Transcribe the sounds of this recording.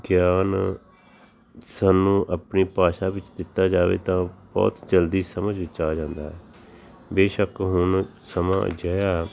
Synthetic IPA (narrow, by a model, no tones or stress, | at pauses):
ɡjaːn | sənːũːʔəpniːpaːʃaːbɪt͡ʃd̪ɪt̪ːaːd͡ʒaːʋḛːt̪ãːbɔ̰ːt̪d͡ʒəld̪iːsəməd͡ʒʋɪt͡ʃaːd͡ʒãːnd̪a̰ːɦɛː | beːʃəkɦʊnsəmã̰ːd͡ʒaːjaː